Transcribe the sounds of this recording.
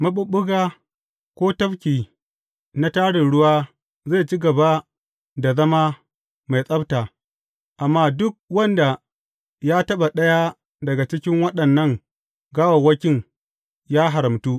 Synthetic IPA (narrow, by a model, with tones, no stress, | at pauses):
mɐ˦ɓʊ˦ɓʊ˦ɡaː˦ | kʷoː˦tɐ˦ɸkʲiː˨ | na˦taː˦ɽɪ˨nɽʊ˦waː˦ | za˦˨t͡ʃi˦ɡɐ˨ba˦ | da˨zɐ˦ma˦ | ma˨jsʼɐ˦btaː˨ | ʔa˨mːaː˦dʊ˦k̚wɐ˦nda˨ | jaː˦tɐ˦ɓa˨ɗɐ˦ja˦ | dɐ˨ɡa˨t͡ʃɪ˦kʲɪ˦ŋwɐ˦ɗɐ˨nːɐ˦˨ŋ | ɡaː˦wa˨wɐ˦kʲɪ˦ŋ | jaː˦ɦa˨ɾɐ˨mtuː˦